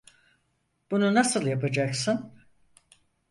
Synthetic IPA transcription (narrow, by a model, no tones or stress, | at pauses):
b̥ununasɯlˠjapad͡ʒaksɯn